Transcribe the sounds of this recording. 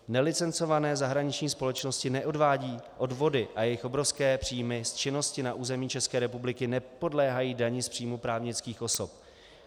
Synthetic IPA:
nɛlɪt͡sɛnt͡so̞vanɛːzaɦɾaɲɪt͡ʃɲiːspo̞lɛt͡ʃnoscɪnɛʔo̞dvaːɟiːʔo̞dvo̞dɪʔajɛjɪxʔo̞bɾofskɛːpr̥iːjmɪst͡ʃɪno̞scɪnaʔuːzɛmiːt͡ʃɛskɛːɾɛpublɪkɪnɛpo̞dlɛːɦajiːdaɲɪspr̝̥iːjmupɾaːvɲɪt͡skiːxʔo̞sop̚

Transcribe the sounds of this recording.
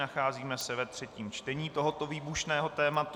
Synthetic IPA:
axaːziːmɛsɛvɛt̪r̝̥ɛciːmt͡ʃt̪ɛɲiːt̪o̞ɦo̞t̪o̞viːbuʃnɛːɦo̞t̪ɛːmat̪

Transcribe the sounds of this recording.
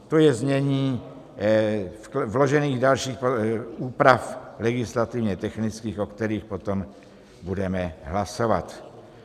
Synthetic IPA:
t̪o̞jɛzɲɛɲiː | vlo̞ʒɛniːɣdalʃiːxpouːpɾaflɛɡɪslat̪ɪvɲɛt̪ɛxnɪt͡skiːxʔokt̪ɛɾiːxpo̞t̪o̞m | budɛmɛɦlaso̞vat̪

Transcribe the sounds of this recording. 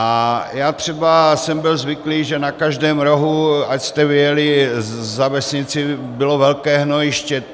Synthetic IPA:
ʔajaːt̪r̥ɛbasɛmbɪlzvɪkliːʒɛnakaʒdɛːmɾoɦuacst̪ɛvɪjɛlɪzavɛsɲɪt͡sɪbɪlovɛlkɛːɦnojɪʃcɛ

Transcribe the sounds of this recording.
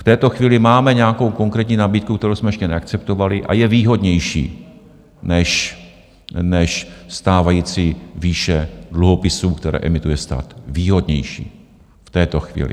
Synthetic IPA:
ft̪ɛːt̪o̞xviːlɪmaːmɛɲɛako̞wko̞ŋkɾɛːt̪ɲiːnabiːt̪̚kukt̪ɛɾowsmɛjɛʃcɛnɛakt͡sɛp̚t̪ovalɪʔa̰jɛviːɦo̞dɲɛjʃḭː | nɛʃ | nɛʃst̪aːvajiːt͡siviːʃɛdluɦo̞pɪsuːkt̪ɛɾɛ̰ːʔɛmɪt̪ujɛst̪a̰ːt̪viːɦo̞d̪ɲɛ̰jʃḭː | ft̪ɛːt̪o̞xvḭːlɪ̰

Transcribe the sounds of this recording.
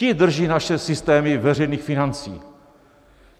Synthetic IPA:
ɪd̪r̩ʒiːnaʃɛsɪst̪ɛːmɪvɛr̝ɛjniːxfɪnant͡sḭː

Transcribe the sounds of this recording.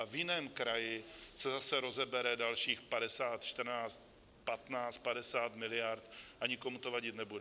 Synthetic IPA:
vjɪnɛːmkɾajɪsɛzasɛɾo̞zɛbɛɾɛdalʃiːxpadɛsaːt̪t͡ʃt̪r̩naːt͡st̪̚ | pat̪naːt͡st̪̚padɛsaːt̪mɪlɪjaɾt̪ʔaɲɪko̞mut̪o̞vaɟɪt̪nɛbudɛ

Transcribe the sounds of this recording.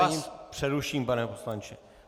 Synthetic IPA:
apʂɛɾuʃimpanɛpɔslanʲt͡ʃɛ

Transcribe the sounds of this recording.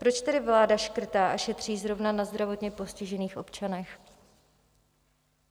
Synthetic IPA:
pɾo̞t͡ʃt̪ɛdɪvlaːdaʃkr̩t̪aːʔaʃɛt̪r̝̥iːzɾo̞vnanazd̪ɾavo̞t̪ɲɛpo̞scɪʒɛniːxʔo̞pt͡ʃanɛx

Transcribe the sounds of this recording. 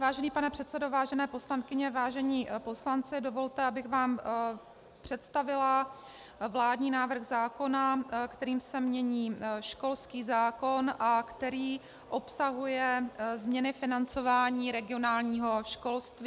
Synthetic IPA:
vaːʒɛniːpanɛpr̥ɛt̪sɛdo̞vaːʒɛnɛːposlankɪɲɛvaːʒɛɲiːpo̞slant͡sɪdovo̞lt̪ɛabɪɣvaːm | pr̝̥ɛt̪st̪avɪla | vlaːdɲiːnaːvr̩ɣzaːko̞nakt̪ɛɾiːmsɛmɲɛɲiːʃko̞lskiːzaːko̞nʔakt̪ɛɾiː | ʔo̞psaɦujɛzmɲɛnɪfɪnant͡so̞vaːɲiːɾɛɡɪo̞naːlɲiːɦo̞ʃko̞lst̪viː

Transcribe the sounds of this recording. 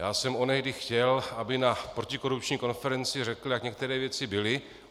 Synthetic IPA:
jaːsɛmo̞nɛɣdɪxcɛlabɪnapɾo̞cɪko̞ɾup̚t͡ʃɲiːko̞nfɛɾɛnt͡sɪrɛkl̩jakɲɛk̚t̪ɛɾɛːvjɛt͡sɪbɪlɪ

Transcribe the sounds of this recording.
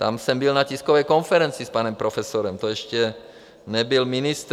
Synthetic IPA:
t̪amsɛmbilnaciskovɛjkonfɛɾɛnt͡sispanɛmpɾofɛsoɾɛmt̪oɛʃcɛ | nɛbilminist̪

